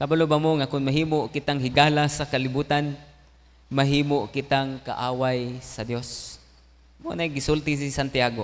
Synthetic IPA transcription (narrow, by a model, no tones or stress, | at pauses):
kabalʊbamoŋakʊnmaɦiːmoʔkɪt̪aŋɦɪɡalasakalɪbuːt̪an | maɦiːmoʔkɪt̪aŋka̰ʔaːwajsɐd̪jos | mo̰najɡɪsʊlt̪ɪs̬ɪsant̪ɪaɡo